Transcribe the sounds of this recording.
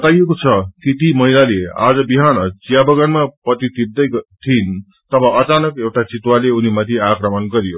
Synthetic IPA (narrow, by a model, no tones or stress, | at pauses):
t̪ajekot͡sʰʌkit̪imʌɦilalea̰d͡zʌbiɦanʌt͡sijabʌɡʌnmapʌt̪it̪ib̚d̪ʌjt̪ʰin | t̪ʌbʌʔʌt͡sanʌkewʈat͡sit̪waleunimat̪ʰiakrʌmʌnɡʌɾijo